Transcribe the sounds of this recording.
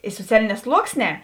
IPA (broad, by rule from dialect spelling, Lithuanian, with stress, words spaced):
ɪ soːˈt͡sʲæːlʲɪˌnʲɛː ˈslˠuɔksʲˌnʲɛː